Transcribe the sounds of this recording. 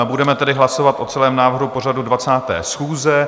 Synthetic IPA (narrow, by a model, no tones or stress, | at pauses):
budɛmɛt̪ɛdɪɦlaso̞vat̪ʔo̞t͡sɛlɛːmnaːvr̩ɦupo̞radudvat͡saːt̪ɛ̰ːsxuːzɛ